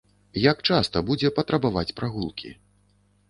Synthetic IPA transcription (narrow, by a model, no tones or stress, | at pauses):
jakt͡ʂast̪ɐbud͡zʲɛpɐt̪ɾɐbavat͡sʲpɾaɣulˠkʲʰḭ